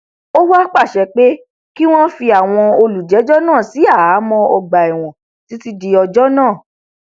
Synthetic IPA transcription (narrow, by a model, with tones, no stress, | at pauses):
o˦wa˦k͡pa˦˨ʃɛ˨k͡pe˦ | ki˦w̃ɔ̃˦fi˧a˨w̃ɔ̃˧o˧lu˨d͡ʒɛ˨˦d͡ʒɔ˦nãː˦˨si˨˦a˦˨a˨˦mɔ̃˧ɔ˧ɡ͡ba˨ɛ˨w̃ɔ̃˨ | ti˨˦ti˦di˧ɔ˧d͡ʒɔ˦nãː˦˨